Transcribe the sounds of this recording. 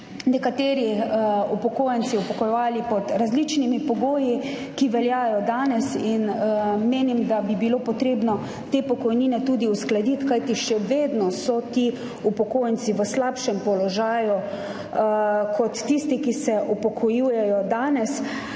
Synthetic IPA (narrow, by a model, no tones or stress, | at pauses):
nɛkat̪eːɾiupɔkoːjɛnsiupɔkɔjɛʋaːlipɔd̪ɾazlit͡ʃnimipɔɡoːji | kiʋɛljaːjɔd̪aːnɛsinmeːnimd̪abibiloːpɔt̪ɾeːbnɔ | t̪eːpɔkɔjniːnɛt̪uːd̪iusklad̪it̪kajt̪iʃɛʋeːd̪nɔsɔt̪i | upɔkoːjnsiʋəslaːpʃɛmpɔlɔʒaːju | kʰɔt̪ːist̪ikisɛʔupɔkʰɔjuːjɛjɔd̪aːnɛs